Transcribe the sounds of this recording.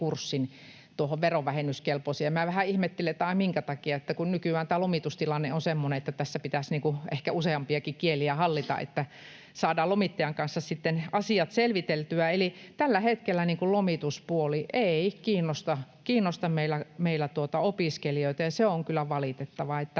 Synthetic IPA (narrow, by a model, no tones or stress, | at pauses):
kursːin | t̪uohoʋʋeroʋæhenyskelposiemæʋæhæihmet̪ːeleet̪æɑˑimiŋkæt̪ɑkiɑet̪ːækunnykywæːnt̪æːlomit̪ust̪ilɑnːeonsemːoneet̪ːæt̪æsːæpit̪æsniːŋkuehkæuseɑmpiɑkikieliæhɑlːit̪ɑ̰ʔḛt̪ːæ | sɑːdɑːlomit̪ːɑjɑŋkɑnsːɑssit̪ːenɑsiɑt̪selʋit̪elt̪yæelit̪ælːæhet̪kelːæniːŋkullomit̪uspuoliʔeikiːnːost̪ɑkiːnːost̪ɑmmeilæmeilːæt̪uot̪ɑopiskelioit̪ɑjɑseoŋkylːˑæʋɑlit̪et̪ːɑʋɑet̪ːæ